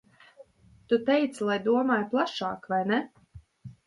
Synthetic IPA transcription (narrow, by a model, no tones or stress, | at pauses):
t̪ut̪ɛjt̪slˠajd̪uɔmaːjplˠaʃɑːkvajnɛ